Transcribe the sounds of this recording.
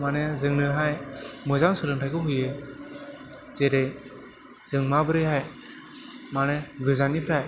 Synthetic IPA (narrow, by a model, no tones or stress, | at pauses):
manezɯŋnɯɦajmɯzaŋsɯlɯŋtʰajkɯɦujɯ | z̥eɾej | z̥ɯŋmabɯɾɯjɦaj | maneɡɯzanipʰɾaj